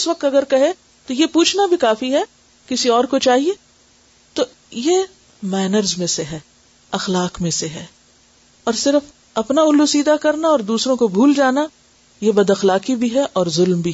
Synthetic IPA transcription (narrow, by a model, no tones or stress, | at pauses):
ʊsʋɐk̚t̪ɐɡəɾkɐɦẽ | t̪ojepuːt͡ʃʰnabʱikaːfiɦɛ | kɪsiɔːɾkot͡ʃaːɦieː | t̪o | je | mɛːnəɾzmẽseɦɛː | ɐxlaːkmẽseɦɛː | ɔːɾsɪɾəf | ɐpnaʊlːusiːd̪akɐɾnaɔːɾd̪uːsɾõkobʱuːld͡ʒaːna | jebɐd̪ɐxlaːkibʱiɦɛʔɔːɾzʊlmbʱi